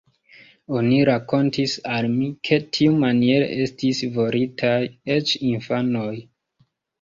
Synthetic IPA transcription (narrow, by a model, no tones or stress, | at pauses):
o̞niɾako̞ntisalmikʰe̞tʰiumanie̞ɾḛʔe̞stisvo̞ɾitʰaje̞t͡ʃinfano̞j